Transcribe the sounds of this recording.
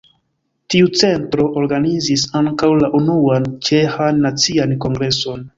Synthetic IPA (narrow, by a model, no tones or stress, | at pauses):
tiut͡se̞ntɾo̞ʔoɾɡanizisaŋkawlaʔunuant͡ʃe̞hanːat͡sianko̞ŋɡɾe̞so̞n